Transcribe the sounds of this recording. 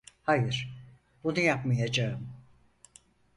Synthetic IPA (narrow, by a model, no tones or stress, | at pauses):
hajɯɾ̥ | b̥unujapmajad͡ʒaɯm